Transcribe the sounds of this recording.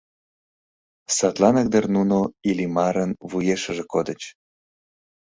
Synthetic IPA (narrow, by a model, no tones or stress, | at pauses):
sɑt̪lɑnək̚d̪ərnunoilimɑɾənβujeʃə̆ʒekod̪ət͡ɕ